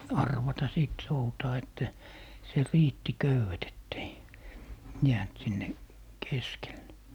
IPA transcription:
ɑrʋɑtɑ siˑt soutɑː etːæ se riːtːi køywet etːei jæːnt sinːe keskelːe

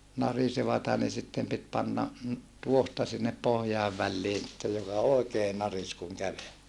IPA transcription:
nɑriseʋɑtɑ ni sitːem pit pɑnːɑ tuohtɑ sinːep pohjɑiʋ ʋælːiː sitːej jokɑ oekeː nɑris kuŋ kæʋel

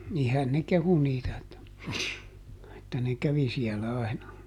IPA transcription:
nihæn ne kehu niːtæ etːæ etːæ ne kæʋi siɛlæ ɑinɑ

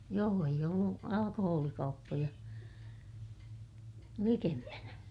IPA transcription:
joː eij olːu ɑlɑkohoːlikɑupːojɑ likempænæ

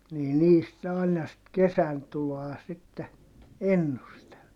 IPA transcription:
niː niːst ne ɑˑinɑ sit kesæntuloɑ sitːe enːustel

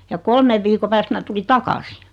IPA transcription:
jɑ kolmeʋ ʋiːko pæːst mæ tuli tɑkɑsi

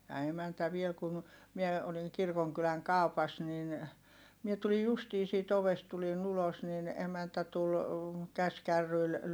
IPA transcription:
jɑ emæntæ ʋiel kun̞ mie oliŋ kirkoŋkylæŋ kɑˑu̞pɑs nin mie tulij justiː siːt oʋest tulin ulos nin emæntæ tul kæskærːyil

